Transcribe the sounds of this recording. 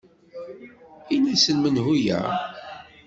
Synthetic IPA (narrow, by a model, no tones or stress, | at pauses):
inæsənmənɦujæ̰